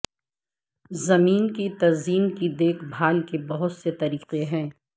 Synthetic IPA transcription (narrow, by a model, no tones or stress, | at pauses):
zɐmiːnkit̪ɐziːnkid̪eːkʰbʱaːlkebɐɦʊt̪set̪ɐɾiːqeɦɛ̃ː